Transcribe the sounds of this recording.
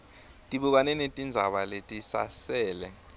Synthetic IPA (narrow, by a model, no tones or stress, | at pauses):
tʼiɓuk̬anɛnetʼind͡zʱa̰ɓaletʼisa̰sɛːlɛ